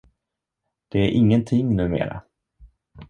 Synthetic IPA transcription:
d̪̥ɛæɾʔɪŋːənt̪ʰɪŋnʉ̟ːmḛːɾa̰

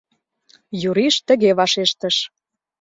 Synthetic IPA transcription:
juɾiʃt̪ə̆ɣeβɑʃeʃt̪əʃ

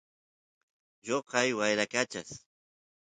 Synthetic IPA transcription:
ʎoqɑjwajɾakat͡ʃa̰s

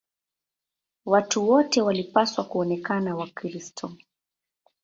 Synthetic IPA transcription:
watuwɔtɛwalipaswakuɔnɛkanawakɾistʰɔ

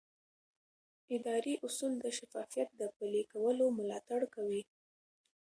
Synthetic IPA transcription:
ɪd̪ɑɾiʔʊsund̪əʃafɑfijat̪̚d̪əpəlekawəlomʊlɑt̪aɽkawi

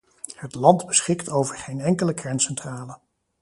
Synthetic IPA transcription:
hətlɑndbəsχɪktowvəɹχejnɛŋkələkrɛnsɛntraːlə

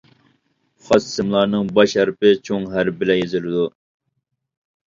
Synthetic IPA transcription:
χɑssɨmlˠɑɾnɨŋbɑʃhæɾpɪt͡ʃʰoŋɦæɾbɪlɛjezɪlɪd̪u

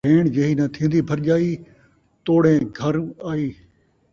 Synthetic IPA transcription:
eːɳd͡ʒeːɦiːnãt̪ʰĩːnd̪iːbʰʱəɾd͡ʒaːiː | t̪oːɽẽːɡʱəɾaːiː

